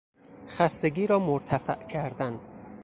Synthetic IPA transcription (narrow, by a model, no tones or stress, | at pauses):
xæst̪e̞ɡiːɾɒːmoɾt̪ʰæfæʔcʰæɾd̪ænd̪̥